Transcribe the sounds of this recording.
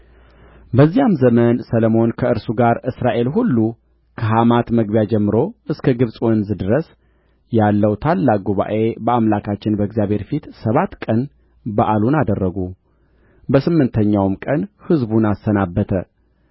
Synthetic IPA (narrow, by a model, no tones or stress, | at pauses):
bəzːijamzəmənsələmo̞nkʰəɨɾsuɡaɾʔɨsɾaʔe̞lɦulːu | kʰəɦamat̪məɡbjad͡ʒɛmːɨɾo̞ʔɨskʰəɡɨβsʼwɔnzɨd̪ɾəs | jalːəwt̪ʰalːaɡuβa̰ʔe̞bəamlakʰat͡ʃːɪnbəɨɡzijaβhe̞ɾfit̪səβat̪kʼən | baʔalunad̪ərːəɡu | bəsɨmːɨnt̪ʰəɲːawmkʼənhɨzbunasːənabːət̪ʰə̰